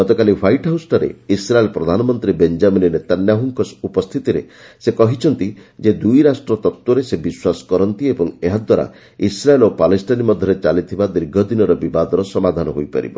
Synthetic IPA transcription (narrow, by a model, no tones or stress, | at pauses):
ɡɔt̪ɔkalipʰajʈɦawsʈɔɾḛisɾaelpɾɔd̪ʱanɔmɔnt̪ɾibend͡ʒamininet̪anjaɦuŋkɔsupɔst̪ʰit̪iɾe | sekɔɦit͡ʃʰɔnt̪id͡ʒed̪ujɾasʈɾɔt̪ɔt̪wɔɾesebiswasɔ̥kɔɾɔnt̪iebɔŋeɦad̪waɾa̰ | isɾaelopalesʈanimɔd̪ʱjɔɾet͡ʃalit̪ʰibad̪iɾɡʱɔd̪inɔɾɔbibad̪ɔɾɔsɔmad̪ʱanɔɦojpa̰ɾḭbɔ̰